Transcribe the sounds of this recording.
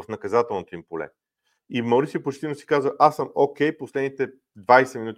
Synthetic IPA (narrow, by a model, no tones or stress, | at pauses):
fnɐkɐzat̪ɛlˠnot̪oimpolɛ̰ | imɐʊɾisʲiəpot͡ʃt̪inosi̥kazvəʔasːəmok̟ɛjposlɛd̪nit̪ɛ | d̪vajsɛminut̪